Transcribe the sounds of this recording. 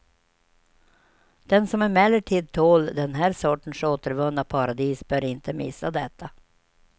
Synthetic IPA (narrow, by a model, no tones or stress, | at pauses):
d̪̥ɛnsɔmæɾmɛlːəʈʰiːd̪̚t̪ʰoːld̪ɛnɦæːɾʂɔʈːəɳ̩ʂoːt̪əɾvɵnːapʰɑɾad̪iːsbœːɾɪnt̪əmɪsːad̪ɛt̪ʰːa